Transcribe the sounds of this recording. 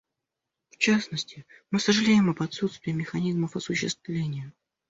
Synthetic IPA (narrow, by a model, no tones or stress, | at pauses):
ft͡ɕasnəsʲtʲɪ | mɨsəʐɨlʲejɪmɐbɐt̪sut̪st̪vʲɪːmʲɪxɐnʲizməfɐsʊɕːɪst̪vlʲenʲɪjə